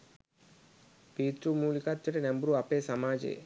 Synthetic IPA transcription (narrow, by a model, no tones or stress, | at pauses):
piːt̪ɾumuːlikat̪ːɐʈenɐmbɾuɐpeːsɐmaːd͡ʒḛː